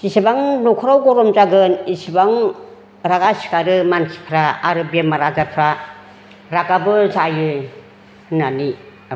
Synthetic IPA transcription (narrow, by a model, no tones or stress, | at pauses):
isibaŋnɔkʰɔɾawɡɔɾɔmzaɡɯnisibaŋ | ɾaɡasi̥kaɾɯmansi̥pʰɾaaɾɯbijamaɾazapʰɾa | ɾaɡabɯzajɯ | nani